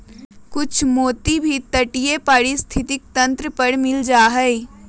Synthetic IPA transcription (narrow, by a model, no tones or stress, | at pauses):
kʊt͡ʃʰmoːt̪ibʱit̪əʈijepaːɽist̪ʰɪt̪ɪk̚t̪ɐ̃nt̪ɾəpəɽmɪld͡ʒaːɦɛ